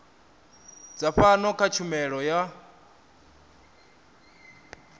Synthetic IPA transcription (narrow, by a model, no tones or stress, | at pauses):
d͡zaɸanɔkʰat͡ʃʰumɛɺɔja